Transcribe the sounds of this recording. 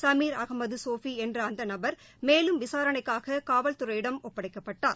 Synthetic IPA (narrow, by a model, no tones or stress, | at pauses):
sɐmiːɾɐɣɐmɐðɯsoːfiɛndrɐɐnd̪ɐnɐbɐɾ | meːlɯmʋɪsaːɾɐɳɐɪkːaːɣɐkaːʋɐlt̪ʊrɐjɪɽɐmɔpːɐɽɐɪkːɐpːɐʈːa̰ːɾ